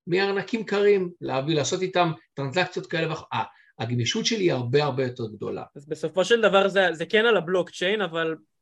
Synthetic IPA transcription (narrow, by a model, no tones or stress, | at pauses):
mianakimkaʁimleavilaːso̞t̪it̪amt̪ʁanzakt͡sjo̞t̚kae̞le̞veaoaː | ɡmiʃutʃe̞liiaʁbeaʁbe̞jo̞t̪eʁɡd̪o̞̰la̰azbe̞so̞fo̞ʃeld̪avaʁzezekenalablo̞kt͡ʃe̞jnaval